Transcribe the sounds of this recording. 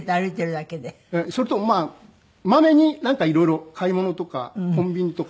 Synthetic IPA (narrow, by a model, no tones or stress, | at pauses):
t̪ːaɾɯt̪ːeɾɯd̪aked̪e | esoɾet̪o̞maː | mame̞ɲ̟inãŋkaiɾo̞iɾo̞kʰaimo̞no̞t̪o̞ka̰kõ̞mbʲiɲ̟it̪o̞k